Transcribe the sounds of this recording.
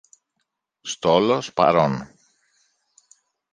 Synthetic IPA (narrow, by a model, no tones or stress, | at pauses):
st̪olospɐ̰ɾon